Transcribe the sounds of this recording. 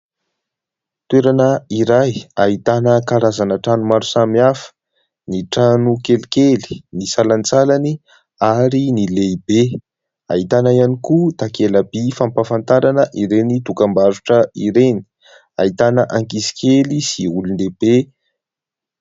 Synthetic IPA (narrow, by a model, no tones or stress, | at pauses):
t̪uweɾanəiɾajaɦit̪anəkaɾazanəʈ͡ʂanumaɾusamiafə̥ | niʈ͡ʂanukelikeli̥nisalant͡salani | aɾinileibe | a̰it̪anaianikut̪akelabifampafant̪aɾanəʔiɾenit̪ukambaɾuʈ͡ʂəiɾeni̥ | ait̪anəʔaŋkisi̥kʲʰelisiulund̪eb̥e